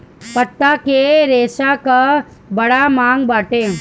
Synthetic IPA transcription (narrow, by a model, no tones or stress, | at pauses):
pɐt̪ːakeɾeːʃaka | bɐɽamaːŋɡbaːʈeː